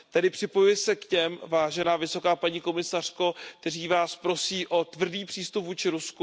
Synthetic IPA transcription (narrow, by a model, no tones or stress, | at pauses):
t̪adɪpr̥ɪpo̞jujɛsɛkcɛmvaːʒɛnaːvɪso̞kaːpaɲiːko̞mɪsar̥ko̞k̚t̪ɛriːvaːspɾo̞siːʔo̞t̪vr̩diːpr̥iːst̪upvuːt͡ʃɪɾusku